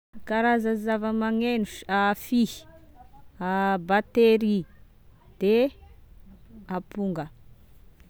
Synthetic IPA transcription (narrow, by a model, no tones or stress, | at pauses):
kaɾazazavəmaŋenuʃafihi̥ | abat̪eɾi | d̪̥e | apuŋɡə